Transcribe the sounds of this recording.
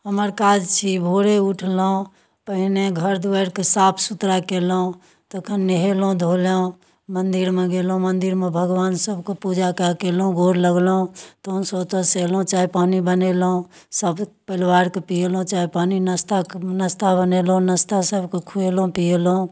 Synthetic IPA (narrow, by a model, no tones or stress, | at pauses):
ɦəməɾkad͡ʒt͡ʃʰibʱoɾeuʈʰlũ | pəɦineɡʱəɾd̪uəɾkesapʰsut̪ɾakelũ | t̪əkʰənːeɦelũd̪ʱoleũ | mənd̪iɾmeɡelɦũmənd̪iɾmebʱəɡʋansəbʱkepud͡ʒakakelɦũɡʱoɾləɡlũt̪əɦunsəbt̪əselũt͡ʃaipanibənelɦũ | səbpəɪlwaɾkepielũt͡ʃaipaninəst̪anəst̪abənelɦũnəst̪asəbʱkekʰuelũpielũ